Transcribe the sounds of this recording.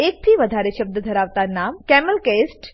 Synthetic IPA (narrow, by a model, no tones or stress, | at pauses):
ek̚t̪ʰiːʋəd̪ʱaɾeɕəb̚d̪əd̪ʱəɾaʋt̪anamkɛməlkesʈ